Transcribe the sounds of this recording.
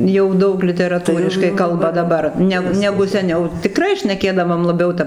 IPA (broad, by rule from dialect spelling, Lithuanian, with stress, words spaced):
jɛʊ ˈdɐʊk lʲɪtʲɛrɐˈtuːrʲɪʃkɐɪ ˈkɐlˠbɐ dɐˈbɐr ˈnʲɛk ˈnʲæːɡʊ sʲɛˈnʲɛʊ tʲɪˈkrɐɪ ʃʲnʲɛˈkʲeːdɐʋoːm lˠɐˈbʲɛʊ ˈtɐp